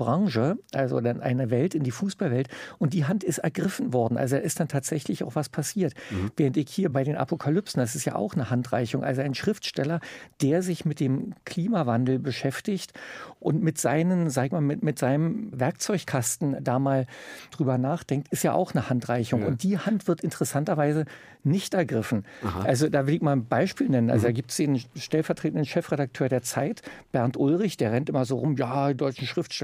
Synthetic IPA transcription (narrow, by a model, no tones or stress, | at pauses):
bʁaŋʒəʔalzo̰danʔa̰ɪnəvɛltɪndiːfuːsb̥alvɛltʔʊnt̚d̥iːɦantɪstɛɐɡʁɪfn̩vɔɐdn̩ʔa̰lzodaːɪst̚d̥antʰaːtz̥ɛçlɪçaʊxv̥aspʰasiːɐtvɛːʁəntɪçhiːɐbaɪɾeːnʔa̰pʰokʰalʏpsn̩d̥as̬ɪstja̰ːʔa̰ʊxnəhantʁ̥a̰ɪçʊŋʔa̰lzoaɪnʃʁ̥ɪftʃtɛlɐd̥eːɐzɪçmɪt̚d̥eːmkʰl̥iːmavandl̩bəʃɛftɪçtʔʊntmɪtz̥aɪnənzaːɡɪçmamɪtmɪtz̥aɪnəmvɛɐk̚t͡sɔʏçkʰastn̩daːmaːld̥ʁyːbɐnaːχd̥ɛŋk̚tɪstjaːʔa̰ʊxnəhantʁ̥aɪçʊŋʊ̰nt̚d̥iːhantv̥ɪɐtɪntəʁɛsantɐvaɪzə | nɪçtʔɛɐɡʁɪfn̩ʔalzodaːvɪlɪçmaːlbaɪʃpiːlnɛnənʔa̰lzodaːɡiːp̚tsd̥eːnʃtɛlfɛɐtʁ̥eːtn̩dənʃɛfʁ̥eɾak̚tʰøːɐɾeːɐt͡saɪtb̥ɛɐntʔʊlʁɪçd̥eːɐʁɛntʔɪmɐzoːʁʊmjaːdɔʏt͡ʃn̩ʃʁ̥ɪftʃɛ